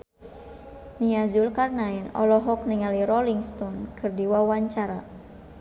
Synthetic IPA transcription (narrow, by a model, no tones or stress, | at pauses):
niazulkarnaɛnɔ̰lɔɦɔk̚niŋaliɾɔliŋst̪ɔnkɨrdiwawaɲt͡ʃaɾa